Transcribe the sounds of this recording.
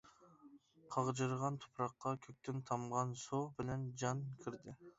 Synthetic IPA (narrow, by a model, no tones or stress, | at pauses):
qʰɑʁd͡ʒɨɾʁɑnt̪ʰo̥pʰɾɑqːɑkʲʰøk̚ʲt̪ʰɪnt̪ʰɑmʁɑnsobɪlɛnd͡ʒɑnkʲʰiɾd̪ɪ